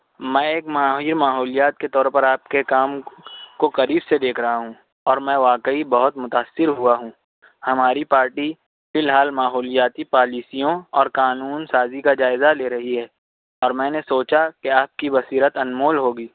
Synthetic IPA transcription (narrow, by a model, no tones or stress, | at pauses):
mɛ̃ːeːkmaːɦiɾmaːɦɔːlijaːt̪̚ket̪ɔːɾpɐɾaːp̚kekaːmkokɐɾiːbsed̪eːkʰɾɐɦaɦũ | ɔːɾmɛ̃ːʋaːkəibɐɦʊt̪mʊt̪aːsːɪɾɦʊaɦũː | hɐmaːɾipaːɾʈi | fɪlɦaːlmaːɦɔːlijaːt̪ipaːliːsijõɔːɾkaːnuːnsaːzikad͡ʒaːɪzaleːɾɐɦiɦɛː | ɔːɾmɛ̃ːnesoːt͡ʃakeaːp̚kibɐsiːɾət̪ɐnmoːlɦoːɡiː